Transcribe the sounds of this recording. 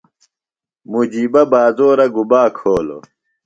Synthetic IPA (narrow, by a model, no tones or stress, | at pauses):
mud͡ʑiːbɐbaːzoːɾɐɡubaːkʰoːlo̰